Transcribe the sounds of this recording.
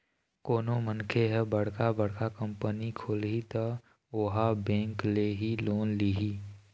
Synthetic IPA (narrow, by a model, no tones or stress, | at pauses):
koːnomənkʰeɦɛbəɽ̤kabəɽ̤kakə̃mpənikʰoːlɦit̪ə | oɦabɛ̃ːŋkleɦiloːnliːɦiː